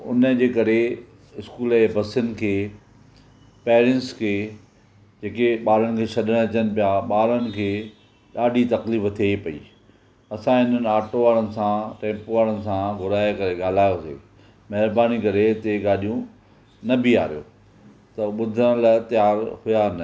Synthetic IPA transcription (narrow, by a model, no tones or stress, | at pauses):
ʊ̰nə̆d͡ʑeːkɐɾe | ɪskuːlbɐsɪnɪ̆kʰeː | peːɾɛ̃ɳʈskʰeː | d͡ʑeːkeɓaːɾəɽ̃ɪ̆kʰeːsɐɗəɽ̃ɐt͡ɕənɪ̆pijaɓaːɾənɪ̆kʰeː | ɗaːɗʱit̪ɐkliːft̪ʰepɐḭː | ɐsãɦɪn̤ənɪ̆aːʈoʋaːɾənɪ̆sãʈɛ̃ːpoʋaːɾənɪ̆sãɡʊɾaːjekɐɾeɠaːl̤aːjosḛː | mɐɦɪɾbaːnikɐɾet̪eɠaːɗijũ | nɐbɪa̰ːɾijo̰ː | t̪ɐɓʊd̪ʱəɽ̃lat̪ɐjaːɾhʊjanə